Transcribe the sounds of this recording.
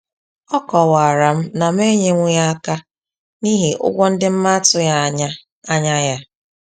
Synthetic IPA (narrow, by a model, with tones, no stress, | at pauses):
ɔ˦kɔ˨wa˨a˨ɾa˨m̩˦na˨m˦e˦ɲe˦ŋʷu˦ja˦a˦ka˦ | ni˦ɦe˨ʔʊ̰˦ɡʷɔ˦n̩˦dɪ˦m̩˦ma˦tʊ˦ja˦ɲa˦ | a˦ɲa˦ja˦